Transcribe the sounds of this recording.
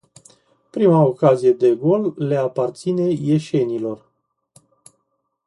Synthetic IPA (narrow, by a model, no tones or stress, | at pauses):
pɾimaokazije̞d̪e̞ɡo̞lːe̞apart̪sine̞je̞ʃe̞nilo̞r